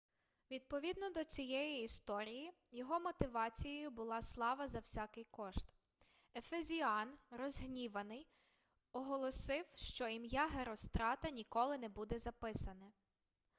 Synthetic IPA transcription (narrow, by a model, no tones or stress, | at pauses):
ʋʲid̪̚pɔʋʲid̪nɔd̪ɔt͡sʲijɛjiːst̪ɔɾʲiji | jɔɦɔmɔt̪ɪʋɑt͡sʲijejʊbʊlˠɑslˠɑʋɐzɐwsʲakɪjkɔʃt̪ | efezʲiɑnrɔzɦnʲiʋɐnɪj | ɔɦɔlˠɔsɪwʃt͡ʃɔimjɑɦeɾɔst̪ɾɑt̪ɐnʲikɔlˠɪnɛbud̪ɛzɐpɪsɐnɛ